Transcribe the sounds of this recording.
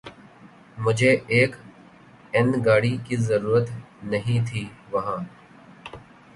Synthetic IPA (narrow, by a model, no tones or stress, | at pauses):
mʊd͡ʒʱeːeːk | ɪnɡaːɽikiːzəɾuːɾət̪ | nəɦĩːt̪ʰiːʋɐɦãː